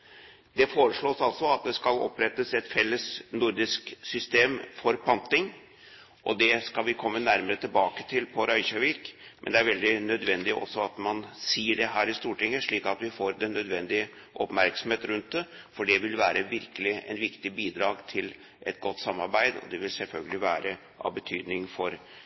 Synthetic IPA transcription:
d̪ɛfoːɾəʂɭoːsɑlsɔɑt̪̚d̪ɛskɑlɔ̰pɾɛt̪ːəsɛt̪fɛlːəsnʊɾd̪ɪsksʏst̪eːmfɔɾpʰɑnt̪ɪŋ | ʔɔd̪ɛskɑlʋɪkʰɔmːənæɾməɾət̪ʰɪlbɑːkə̥t̪ʰɪlpʰɔɾœɪçɑʋɪkmʔɛnd̪ɛæɾʋɛld̪ɪnœd̪ʋɛnd̪ɪʔɔ̰sːɔɑt̪mɑnsiːəɖɛɦæːɾɪst̪uːʈɪŋːəʂɭiːkɑt̪ʋɪfoːɾd̪ɛnœd̪ʋɛnd̪ɪə | ʔɔpmæɾksɔm̩heːt̪ɾʉnt̪̚d̪ɛfɔɖɛʋɪlʋæːɾʔəʋɪɾkəlɪɛ̰nʋɪkt̪ɪbiːd̪ɾɑːɡt̪ʰɪl | ʔɛt̪ɡɔt̪ːsɑmːɑɾbæɪd̪ɔ̰d̪ɛʋɪlsɛlfœlɡəlɪʋæːɾə | ʔɑ̰bət̪ʰyːd̪nɪŋfɔɾ

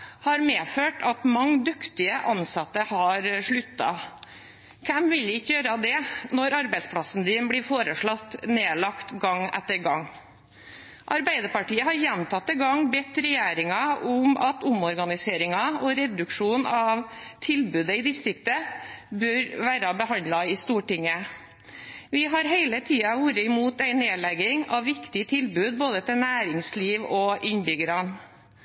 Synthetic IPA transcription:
hɑɾmeːføːʈɑt̪mɑŋːd̪ʉkt̪ɪəʔɑnsɑt̪ːəhɑɾʂɭʉt̪ːɑ̰ | kʰɛmʋɪlɪkːəjøːɾɑd̪ɛnɔɾɑɾbæɪspʰlɑsn̩d̪ɪnblɪfoːɾəʂɭɔt̪ːneːlɑkt̪ɡɑŋɛ̰t̪ːəɾɡɑŋ | ʔɑɾbæɪd̪əɾpɑʈiːəhɑɾjɛnt̪ʰɑt̪ːɪɡɑŋbɛt̪ːɾɛjeːɾɪŋɑʔʊmɑt̪ʊmɔɾɡɑnɪseːɾɪŋɑɔɾɛd̪ʉkʂuːnɑʋt̪ʰɪlbʉːd̪əɪːd̪ɪst̪ɾɪkt̪əbœɾʋæːɾɑbəhɑnd̪lɑɪst̪uːʈɪŋə | ʋɪɦɑɾɦeɪlət̪ʰiːɑʋuːɾəɪmuːt̪æɪneːlɛɡɪŋɑʋʋɪkt̪ɪət̪ʰɪlbʉːd̪̚boːd̪ət̪ʰɪlnæːɾɪŋsliːʋɔʔɪɲbʏɡəɾɑn

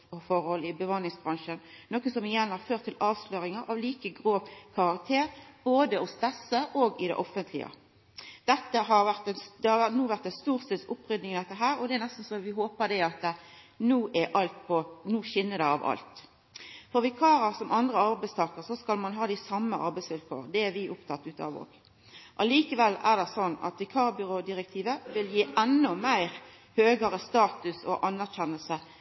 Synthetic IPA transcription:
ɔfɔʁəhɔlɪbəʋɑːnɪŋsbɾʁɑnʃənnoːkəsɔmɪjɛnhɑʁføːʁt̪ʰːɪlʔɑːʋsløːɾɪŋəɾʔɑʋliːkəɡʁoːkʰɑʁɑk̚t̪ʰeːʁb̥oːd̪əɔst̪ɛsəʔoːɡɪd̪ɛ̰ʔɔfənt̪ʰlɪ̰ə̰ | d̪̥ɛt̪ːəɦɑʁʋæʁt̪ɛnsd̪ɛhɑʋænuːʋæʁt̪ɛnst̪uːʁsɛt̪sʊpːʁʏd̪nɪŋɪd̪ɛt̪ːəɦæːɾɔd̪ɛænɛst̪n̩sɔmʋɪɦoːpəɾd̪ɛɑt̪ | nuːʔɛʔɑlt̪̚pʰɔnuːʃɪnːəd̪ɛɑ̰ʋɑ̰lt̪ | fɔʁʋɪkʰɑːɾəsɔmʔɑnd̪ʁəɑɾbæɪst̪ʰɑːkəʁsɔskɑlmɑnɦɑːd̪ɪsɑmːəʔɑ̰ɾbæɪsʋɪlkʰo̰ːʁd̪ɛæɾʋɪʔʊpt̪ʰɑt̪ːʉːt̪ɑ̰ʋo̰ːɡ | ʔɑliːkəʋɛlːæʁd̪ɛsɔnːɑ̰t̪ʋɪkʰɑːʁbʏʁoːd̪ɪɾʁɛk̚t̪ʰiːʋəʋɪljiːʔɛnːɔmæɪɾ | høːɡəɾəst̪ɑːt̪ʉsɔ̰ʔɑnːæʁçɛnəlsə

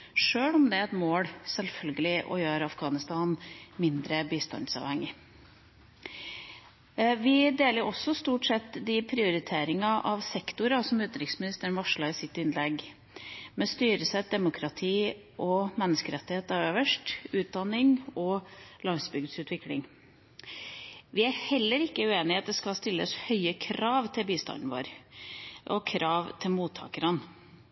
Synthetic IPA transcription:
ʂøːlɔmd̪ɛæɛt̪moːɽsɛlfœlɡəlɪʔɔ̰jøːɾɑfɡɑːnɪst̪ɑːnmɪnd̪ɾəbiːst̪ɑ̰nd̪sɑ̰ːʋhɛŋːɪ | ʋɪd̪eːləɾɔsːɔst̪uːʈsɛt̪ːd̪ɪpʰɾɪʊɾɪt̪ʰeːɾɪŋɑʔɑʋsɛkt̪ʊɾɑsɔmʉːt̪ɾɪksmɪnɪst̪əəɳʋɑʂɭɑɪsɪt̪ːɪnlɛɡ | mɛst̪yːɾəsæd̪ɛmʊkʰɾɑt̪ʰiː | ʔɔmɛnːəskəɾɛt̪ːɪheːt̪ɑʋøːʋəʂʈʉːt̪̚d̪ɑnːɪŋɔlɑŋsbʏɡd̪sʉːt̪ʰʋɪklɪ̰ŋ | ʋɪæɾhɛlːəɾɪkːəʉeːnɪheɛɑt̪̚d̪ɛskɑlst̪ɪlːə̰shœʏəkʰɾɑːʋt̪ʰɪlbiːst̪ɑ̰nn̩ʋo̰ːɾ | ʔɔ̰kʰɾʔɑːʋt̪ʰɪlmuːt̪ʰːɑ̰ːkəɾɑn

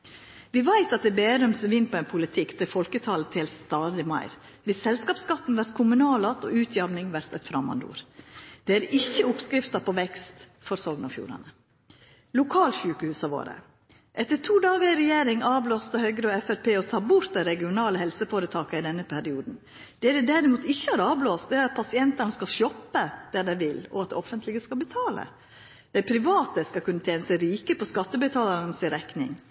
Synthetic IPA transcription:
ʋɪʋæɪt̪ɑt̪̚d̪ɛːbeːɾʉmsʋɪnːpʰɔɛɪnpʰʊlɪt̪ʰɪkːt̪ʰɪlfɔlkət̪ʰɑːlət̪ʰɪlst̪ɑːd̪ɪmɑ̰ɪɾ | ʋɪssɛlskɑːpskɑt̪ːn̩ʋæɾt̪̚kʰʊmʉnɑːlɑt̪ɔ̰ʉːt̪ʰjɑʋnɪŋʋæɾt̪ɛt̪fɾɑmɑ̰nd̪ṵːɾd̪̥ɛæɾɪçːəʊpskɾɪft̪ɑpʰɔʋɛkst̪ | fɔɾsɔɡnɑfjṵːɾɑ̰nə | lʊkʰɑːlɕʉːkəhʉːsɑʋo̰ːɾə̰ | ʔɛt̪ːəʈʰuːd̪ɑːɡəɾɾɛjeːɾɪŋɑːbloːst̪ɑhœʏɡɾəɔɛfɛɾpʰeːɔt̪ʰɑːbʊɾt̪̚d̪ɛɾɛɡɪʊnɑːləhɛlsəfoːɾət̪ʰɑːkəɪd̪ɛnːəpʰæɾɪuːd̪n̩ | d̪̥ɛæɖ̪ɛd̪æɾɪmuːt̪ɪçːəæɾɑːbloːst̪̚d̪ɛæɾɑt̪̚pʰɑsɪɛnt̪ɑnəskɑlʃɔpːəd̪̥ɛɖ̪ɛɪʋɪlɔ̰ɑt̪̚d̪ɛ̰ɔfənt̪lɪɡəskɑlbət̪ʰɑːlə̰ | d̪̥ɛɪpʰɾɪʋɑːt̪əskɑlkʰʉnːət̪ʰeːnəsæɪɾiːkəpɔskɑt̪ːəbət̪ʰɑːlɑnəsɪɾɛknɪ̰ŋ

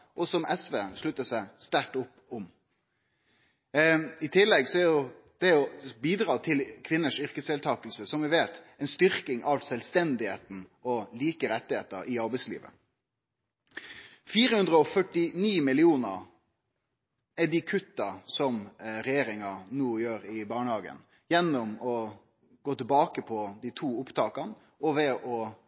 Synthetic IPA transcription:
ʔɔsɔmʔɛsʋeːʂɭʉt̪ːəsæɪst̪æʈʊpː | ʊm | ɪt̪ʰɪlːɛɡsɔæjʊ | d̪̥ɛɔbiːd̪ɾɑːt̪ʰɪlkʰʋɪnːəʂʏɾkəsɛːlt̪ʰɑːkəlsəsɔmʋɪʋeːt̪ | ɛnst̪ʏɾkɪŋʔɑʋsɛlst̪ɛnd̪ɪhḛːt̪n̩ɔliːkəɾɛt̪ːɪheːt̪ə̰ɾɪɑɾbæɪslḭːʋə̰ | fiːɾəhʉnd̪ɾəɔfœʈːɪniːmɪlɪuːnəɾ | ɛd̪ɪkʰʉt̪ːɑsɔmɾɛjeːɾɪŋɑnuːjøːɾɪbɑːɳəhɑːɡə̰n | jɛnːʊmɔ | ɡoːt̪ɪlbɑːkəpʰɔd̪it̪ʰuːʊpt̪ʰɑːkɑn | ʔɔʋɛʔɔ

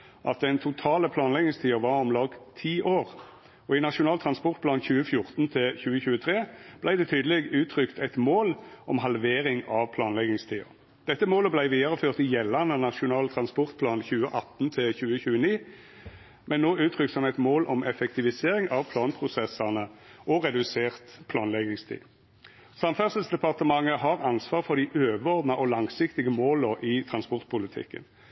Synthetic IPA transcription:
ʔɑ̰t̪̚d̪ɛɪnt̪ʰʊt̪ʰɑːləpʰlɑːnlɛɡɪŋst̪ʰiːʊʋɑʁɔmlɑːɡt̪ʰiːʔoːʁ | ɔɪnɑʂʊnɑːlt̪ʰʁɑnspɔʁt̪̚pʰlɑːnçʉːəfjʊʁt̪nt̪ʰɪçʉːəçʉːət̪ʰʁeːb̥læɪd̪ɛːt̪ʰyːd̪əlɛɡʉːt̪ʰʁʏkt̪ʰɛɪt̪moːlʔɔmɦɑlʋeːʁɪŋɑʋpʰlɑːnlɛɡɪŋst̪ʰiːʊ̰ | d̪̥ɛt̪ːəmoːləblæɪʋiːd̪ɑʁəføːʁt̪ɪjɛlːɑnənɑʂʊnɑːlt̪ʰɾɑnspɔʁt̪̚pʰlɑːnçʉːəʔɑt̪ːnt̪ʰɪlçʉːəçʉːəniː | mʔɛnːoːʉːt̪ʰʁʏksɔmɛt̪moːlʔɔmʔɛfɛk̚t̪ɪʋɪseːʁɪŋʔɑʋpʰlɑːnpʰʁʊsɛsɑnəʔɔʁɛd̪ʉseːʁt̪pʰlɑːnlɛɡɪŋst̪ʰḭː | sɑmfœʁsəlsd̪ɛpɑʁt̪əmɑŋəɦɑʁɑnsʋɑːʁfɔʁd̪ɪʔøːʋəɔʁd̪nɑʔɔlɑŋsɪkt̪ɪɡəmoːlɔʔɪt̪ʰʁɑnspɔʁt̪̚pʰʊlɪt̪ʰɪ̰kːə̰n

